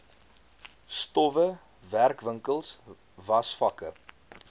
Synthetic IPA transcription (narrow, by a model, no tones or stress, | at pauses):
stɔvə | værkvəŋkəlˠs | vɐsfɐkə